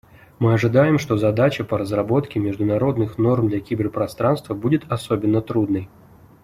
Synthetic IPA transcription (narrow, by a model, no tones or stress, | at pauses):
mɨɐʐɨd̪ajɪmʂt̪ɔzad̪at͡ɕɐpɐɾəzrabɔt̪kʲɪmʲɪʐd̪ʊnaɾod̪nɨxnɔrmd̪lʲɐkʲibʲɛrpɾast̪ɾanst̪vɐbudʲɪt̪asɔbʲɪnːət̪ɾud̪nɨj